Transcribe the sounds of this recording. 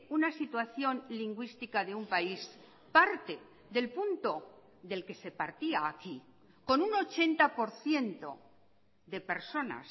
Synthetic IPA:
unasit̪waθjo̞nliŋɡwist̪ikaðe̞umpais | paɾt̪e̞ | ðe̞lpunt̪o̞ | ðe̞lke̞se̞paɾt̪iaːki | ko̞nuno̞t͡ʃe̞nt̪apo̞ɾθje̞nt̪o̞̰ | ðe̞pe̞ɾso̞na̰s

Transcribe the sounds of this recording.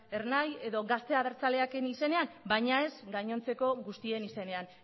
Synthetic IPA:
e̞ɾnaje̞ðo̞ɣast̪e̞að̞eɾt͡sale̞akenise̞ne̞ambajɲae̞zɡaɲo̞nt͡se̞ko̞ɣust̪ie̞nise̞ne̞an

